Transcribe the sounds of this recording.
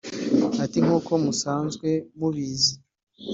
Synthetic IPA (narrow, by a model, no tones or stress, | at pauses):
atiŋ̥uːko̞musaːnzɡwe̞muβiːzi